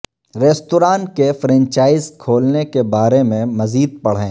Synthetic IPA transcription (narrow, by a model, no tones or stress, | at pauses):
ɾɛːst̪oːɾaːnkefɾɛ̃nt͡ʃaːɪzkʰoːlnekebaːɾemẽmɐziːd̪̚pɐɽ̤ɦẽː